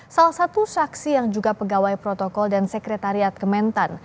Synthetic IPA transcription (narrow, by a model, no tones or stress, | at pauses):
salahsat̪usaksijaŋd͡ʒuɡapəɡawajpɾɔt̪ɔkɔldansəkɾɛt̪aɾiat̪̚kəmɛnt̪an